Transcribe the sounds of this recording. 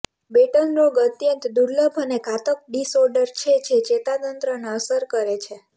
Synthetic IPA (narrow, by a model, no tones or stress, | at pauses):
beʈənɾoɡət̪jənt̪d̪uɾləbʱənekat̪ək̚ɖisoɾɖəɾt͡ʃʰed͡ʒʰet͡ʃet̪at̪ənt̪ɾəneəsəɾkəɾet͡ʃʰe